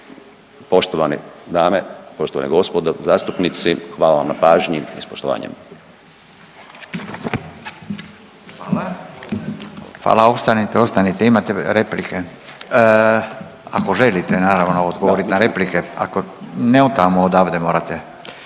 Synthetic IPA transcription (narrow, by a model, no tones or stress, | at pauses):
poʃt̪oʋanḭd̪aːmepoʃt̪oʋa̰nḭɡo̞spod̪ozaːst̪upnit̪sixʋaːlaʋamnapaːʒɲiispoʃt̪oʋa̰ːɲḛm | a | ʋa̰ːlao̞st̪anit̪eo̞st̪anit̪eimat̪eɾe̞plike | a̰ko̞ʒe̞lit̪enaːɾaʋnoːd̪ɡoʋoɾit̪naɾe̞plike̞a̰ko̞neot̪amood̪aːʋd̪emoːɾat̪e